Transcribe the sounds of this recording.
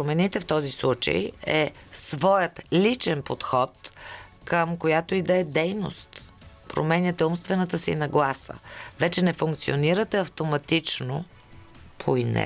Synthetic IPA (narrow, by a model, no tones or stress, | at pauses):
pɾomɛnit̪ɛft̪ɔzislˠut͡ʃḛjɛsvɔjət̪lit͡ʃɛnpot̪xɔt̪kəmkojat̪oid̪ɐɛd̪ɛjno̰st̪ | pɾo̰mɛnʲjət̪ɛumst̪vɛnət̪əsḭnɐɡlˠasə̰vɛt͡ʃɛnɛfuŋk̚t̪sioniɾət̪ɛɐft̪omɐt̪it͡ʃno | pʰoinɛ̰